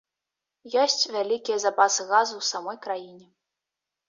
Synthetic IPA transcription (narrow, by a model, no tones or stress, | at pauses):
jɔsʲt͡sʲvʲalʲikʲijɐzapasɨɣazuwsamɔjkɾajinʲɛ